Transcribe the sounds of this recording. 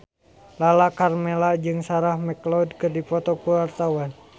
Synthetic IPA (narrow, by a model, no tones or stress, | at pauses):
lalakarmɛlad͡ʒɨŋsaɾahmɛklɔdkɨrdipɔt̪ɔkuwart̪awan